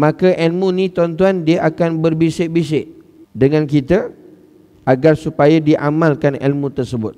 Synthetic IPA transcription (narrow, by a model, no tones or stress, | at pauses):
mãkəʔɛlmũnĩt̪ɔnt̪uandiəʔakanbərbisɪʔ̚bisɪʔ | dəŋãnkit̪a | aɡarsupajadiʔamãlkanɛ̰lmũt̪ərsəbʊt̪̚